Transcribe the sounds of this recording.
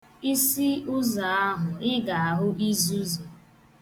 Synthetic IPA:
i˦si˦ʊ˦za˨a˦ɦʊ˨ɪ˦ɡa˨a˨ɦʊ˦i˦zu˦zo˨

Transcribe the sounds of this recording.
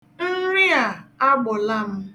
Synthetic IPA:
n̩˦ɾɪ˦a˨a˦ɡ͡bʊ˨la˦m̩˦

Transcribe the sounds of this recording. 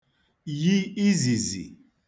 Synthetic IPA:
ji˦i˦zi˨zḭ˨

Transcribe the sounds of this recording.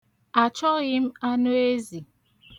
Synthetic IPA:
a˨t͡ʃɔ˦ɣɪ˦m̩˦a˦nʊ˦e˦zi˨

